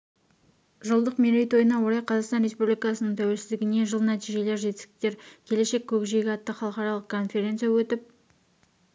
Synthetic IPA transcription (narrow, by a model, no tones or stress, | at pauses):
ʒolˠd̪əqmeɾejt̪o̞jənɑwo̞ɾɑjqʰɑzɑqst̪ɑnɾe̞spublijkɑsənəɴt̪ʰæwe̞lsɪzd̪ɪɡʲɪne̞ʒəlˠnæt̪iʒe̞le̞ɾʒe̞t̪ɪ̥skʲɪ̥k̚t̪e̞ɾkʲʰe̞le̞ʃe̞kʲʰːɵkʒe̞ɡʲɪɑt̪ːəχɑlˠəqɑɾɑlˠəqkʰo̞nfe̞ɾʲe̞nt̪sɨjawɵt̪ɪp̚